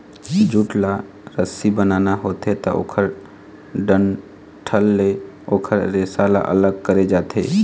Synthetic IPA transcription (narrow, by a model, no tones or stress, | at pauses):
d͡ʒuʈla | ɾəsibənaːnaɦoːt̪ɦet̪a̰ʔo̰ːkʰəɾ | ɖən | ʈʰəlːe | oːkʰəɾːesala̰ʔə̰ləɡ̚kəɾed͡ʒaːt̪ḛː